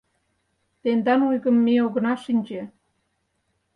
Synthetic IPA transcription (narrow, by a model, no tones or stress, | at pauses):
t̪end̪ɑnujɣə̆mːeoɣə̆nɑʃinʲd͡ʑĕ